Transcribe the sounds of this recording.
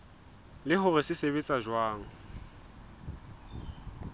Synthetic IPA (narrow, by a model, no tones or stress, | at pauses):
lɪɦʊrɪsɪseβet͡sʼaʒwaːŋ̩